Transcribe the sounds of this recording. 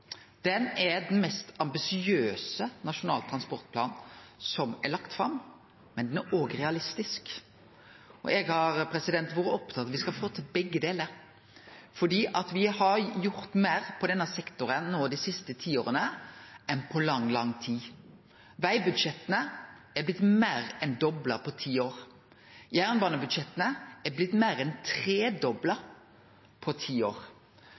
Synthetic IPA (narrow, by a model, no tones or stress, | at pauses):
d̪̥ɛnɛd̪ɛnmɛst̪ɑmbɪsɪøːsənɑʂʊnɑ̰ːlt̪ʰɾɑnspɔɾt̪̚pʰlɑ̰ːnsɔmɛlɑkt̪fɾɑ̰m | mɛnd̪ɛnæɾʔoːɡəɾɛɑlɪst̪ɪsk | ɔ̰ʔɛɡhɑɾpʰɾɛsɪd̪ɛnt̪ʋuːɾəɔpt̪ʰɑt̪ɑʋɪskɑfoːt̪ʰɪlbɛɡːəd̪eːləɾ | fɔɖiːʔɑt̪ʋɪhɑɾjʊɾt̪meːɾpʰɔd̪ɛnːɑsɛkt̪ʊɾənnoːd̪æɪsɪst̪ət̪ʰiːo̰ːʁənəɛnpʰɔlɑŋːlɑŋt̪ʰiː | ʋæɪbʉd̪ʂɛt̪ːənə | ɛblɪt̪meːɾɛnd̪ɔbləpʰɔt̪ʰiːoːɾ | jæːɾnbɑːnəbʉd̪ʂɛt̪ːənəɛblɪt̪ːmæːɾɛnt̪ʰʁeːd̪ɔblə | pʰɔt̪ʰiːo̰ːɾ